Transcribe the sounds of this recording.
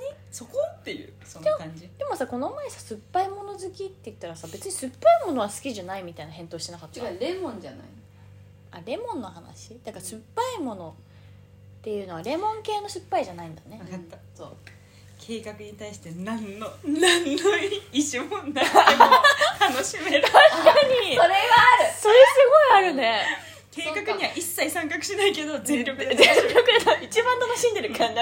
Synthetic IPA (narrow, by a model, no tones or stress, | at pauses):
ɲi | sokot̪ːe̞jɯ̟̰d̪emoid̪̥e̞mo̞sako̞no̞maesḁsɨpːaimo̞no̞zɨkʲit̪ːe̞jɯ̟t̪ːaɾasabe̞t͡sɨɲ̟isɨpːaimo̞no̞βasɨ̥kʲiʑanaimʲit̪ainaɦẽ̞nt̪o̞ːɕi̥t̪enakat̪ːaɾe̞mõ̞ɲd͡ʑana̰i | aɾe̞mõ̞nːo̞ɦana̰ɕid̪̥akasɨpːaimo̞no̞ | t̪e̞jɯ̟ːno̞βaɾe̞mõ̞ŋke̞ːno̞ɕɨpːaiʑanaĩnd̪ane̞asoː | kʰe̞ːkakɯ̟ɲ̟it̪aiɕi̥t̪e̞nãnːonãnːoiiɕimõnːa | t̪anoɕimeɾaɕkaɲisoɾeβaɾɯsoɾesɨɡo̞iaɾɯ̟ne̞ | ke̞ːkakɯ̟ɲiβaʔisːaisãŋkakɯ̟̥ɕinaike̞d̪o̞zɨɾʲokɯzɨɾʲjjo̞kɯd̪et̪ait͡ɕibãnt̪ano̞ɕĩnd̪eɾɯ̟kʰãnd̪a